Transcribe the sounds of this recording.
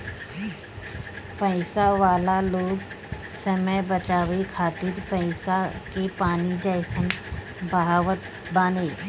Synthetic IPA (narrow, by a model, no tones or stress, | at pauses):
pəɪsaʋaːlaloːɡ | səməjbət͡ʃaːʋekʰaːt̪ɪɾpəɪsakepaːnid͡ʒəɪsən | bəɦaːʋət̪ | baːneː